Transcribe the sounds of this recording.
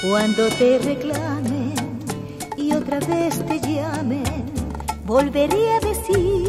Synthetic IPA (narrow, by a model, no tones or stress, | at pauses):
kwand̪o̞t̪e̞re̞klamen | iot̪ɾaβe̞st̪e̞ʝamen | bo̞lβe̞ɾiaðe̞si